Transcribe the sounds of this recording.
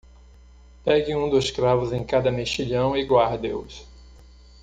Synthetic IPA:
pɛɡɪũd̪oskɾavʊzẽkad̪ɐmeʃiʎɐ̃w̃iɡwaɾd̪eʊs

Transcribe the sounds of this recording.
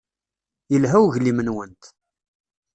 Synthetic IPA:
jəlɦæwʝlimənwənt̪

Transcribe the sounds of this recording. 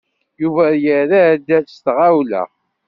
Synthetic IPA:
juvæjəɾæd̪æst̪ʁawlæ̰

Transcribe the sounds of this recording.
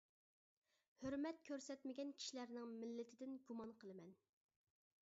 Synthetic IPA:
høɾmɛt̪̚kʲʰøɾsɛt̪mɪɡʲɛnkʲʰi̥ʃilæɾnɪŋmɪlːɪt̪ʰɪd̪ɪnɡumɑnqʰəlˠɨmɛn

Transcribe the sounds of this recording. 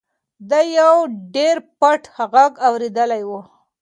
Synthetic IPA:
d̪ajawɖeɾpaʈhaɣaɡawɾed̪əlajwu

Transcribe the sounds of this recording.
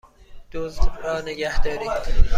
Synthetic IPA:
d̪̥ozd̪ɾɒːneɡæhd̪ɒːɾiːd̪̥

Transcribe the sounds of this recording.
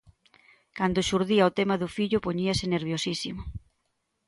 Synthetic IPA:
kand̪ʊʃuɾðiaot̪emaðʊfiʎʊpoɲiɐsɪneɾβjosisimʊ

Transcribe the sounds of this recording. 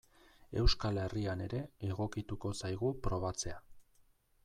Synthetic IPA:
e̞wskale̞riane̞ɾe̞eɣo̞kit̪uko̞sajɣ̞upɾo̞β̞at͡se̞a

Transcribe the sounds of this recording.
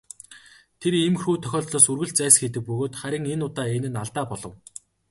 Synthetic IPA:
t̪ʰeɾemxuːt̪ʰœxʲɔːt̪ɮɔːsurɣɘ̆ɬt͡sæːsxet̪̬ɘ̆k̚pɵɣoːt̪χæɾʲɪ̆ŋenʊt̪aːenɘ̆naɮt̪aːpɔɮɞ̆w

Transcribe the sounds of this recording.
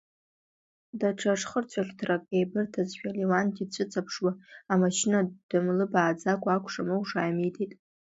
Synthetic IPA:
daʈ͡ʂʰaʂχərt͡ɕʷʰaχʲtʰrakʼejbɨrtʰazʃᶣaliwandʼit͡ɕʷʰɨt͡sʰʼapʰʂwaamaʃnad̥ɨmlɨbaːd͡zakʷʼaakʷʰʼʂamɨwʂaːjmitʰetʼ

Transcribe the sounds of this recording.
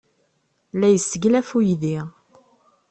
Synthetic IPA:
læjəsːəɡlæfujðiʁ

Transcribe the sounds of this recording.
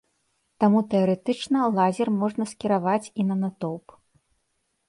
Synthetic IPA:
t̪amut̪ɛɐɾɛt̪ɨt͡ʂnɐlˠazʲɛrmɔʐnɐskʲiɾavat͡sʲinɐnat̪ɔwp

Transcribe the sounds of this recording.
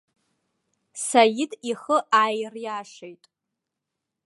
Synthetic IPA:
sajɪdiχəʔajrjaːʂejtʼ

